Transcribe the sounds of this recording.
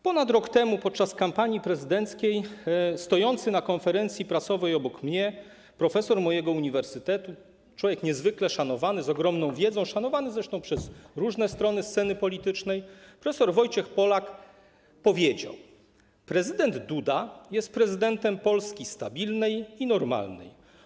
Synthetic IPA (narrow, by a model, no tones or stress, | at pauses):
pɔnat̪ɾɔkt̪ɛmupɔt̪̚t͡ʂaskampaɲipɾɛzɘd̪ɛnt̪skʲejst̪ɔjɔnt̪sɘnakɔnfɛɾɛnt̪sʲjipɾasɔvɛjɔbɔkmɲɛ | pɾɔfɛsɔɾmɔjɛɡɔuɲivɛɾsɘt̪ɛt̪u | t͡ʂwɔvʲjɛkɲɛzvɘklɛʂanɔvanɘzɔɡɾɔmnɔ̃w̃vʲjɛd̪zɔ̃w̃ʂanɔvanɘzɾɛʂt̪ɔ̃w̃pʂɛzɾuʐnɛst̪ɾɔnɘst̪sɛnɘpɔlʲit̪ɘt͡ʂnɛjpɾɔfɛsɔɾvɔjt͡ɕɛxpɔlak | pɔvʲjed͡ʑa̰w | pɾɛzɘd̪ɛnd̪d̪ud̪ajɛst̪̚pɾɛzɘd̪ɛnt̪ɛmpɔlskʲist̪abʲilnɛjinɔɾma̰lnɛ̰j